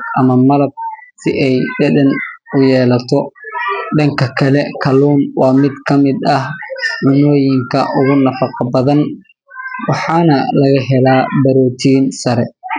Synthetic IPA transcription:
ʔɐmɐmɐlɐb̚sɪʔɛjɖɐdɐnʊjɛːlɐt̪ʰɔ | ɖɐŋkʰɐkʰɐlɛkʰɐluːnwɑːmɪd̪kʰɐmɪd̪ɐhmʊnɔːjɪŋkʰɐʔʊɣʊnɐfɑqɑbɐðɐn | wɑħɑːnɐlɐɣɐɦɛlaːbɐɾɔːt̪ʰiːnsɐɾɛ

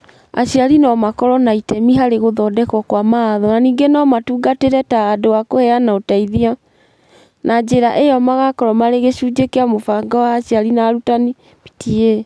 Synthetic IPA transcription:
a̰ɕiaɾinɔmakɔɾɔnaitɛmiɦaɾeɣoðɔdɛkɔkwamaaðɔnaniːŋɡenɔmatuːɡateɾɛtaːdoakohɛanaotaiðia | nad͡ʑeɾaʔejɔmaɣakɔɾɔmaɾeɣeɕuːd͡ʒekeamofaŋɡawaːɕjaɾinaɾutani | pi̥tʰie

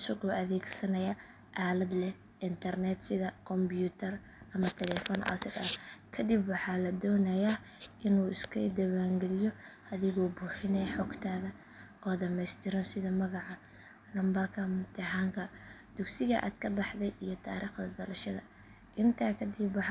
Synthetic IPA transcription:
ʊsʊɡɔːʔɐðɛːɡsɐnɐjɐ | ʔaːlɐd̪lɛ | ʔɪnt̪ʰɐrnɛt̪sɪðɐkʰɔmbjuːt̪ʰɐr | ʔɐmɐt̪ʰɛlɛfɔːnʔɐ̰sɪd̪ɐkʰɐd̪ɪbwɑħɑːlɐd̪ɔːnɐjaː | ʔɪnuːɪskʰɐ̰d̪ɐwaːŋɡɛlɪjɔʔɐðɪɣɔːbuːħɪnɛħɔːɡt̪ʰaːðɐ | ʔɔːd̪ɐmɛjst̪ʰɪɾɐnsɪðɐmɐɣɑʕɑ | lɐmbɐrkʰɐmʊt̪ʰɐɦaːŋkʰɐd̪̥ʊɡsɪɣɐʔa̰ːd̪kʰɐbɑħd̪ɛjʔijɔt̪ʰa̰ːɾiːχd̪ɐd̪ɐlɐʃɐðɐ̰ | ʔɪnt̪ʰaːkʰɐd̪ɪbwɑħ

